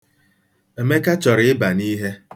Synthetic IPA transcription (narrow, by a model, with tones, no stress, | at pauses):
e˨me˦ka˦t͡ʃɔ˨ɾɪ˨˦ɪ˦ba˨ni˦ɦe˦